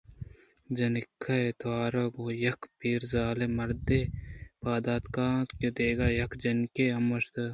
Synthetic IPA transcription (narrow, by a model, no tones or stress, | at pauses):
d͡ʒɐnikʰːɐet̪ʰwaːɾɐɡojɐkʰpiːɾzaːlemɐɾd̪epaːd̪aːt̪kaːked̪eːɡaːjɐkd͡ʒɐnkeɐmɐʃt̪ɐ